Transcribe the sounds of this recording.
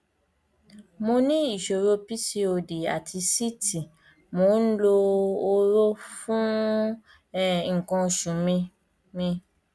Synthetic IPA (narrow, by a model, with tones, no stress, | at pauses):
mõ˧nĩ˦i˦˨ʃo˨ɾo˧pi˦si˧o˧de˨a̰˨tʰi˧si˦ti˨ | mo˨˦n̩˦lo˧o˧ɾo˦fũ˦˨ | ŋ̩˨kɔ̃˧˨ʃũ˨mĩ˧ | mĩ˧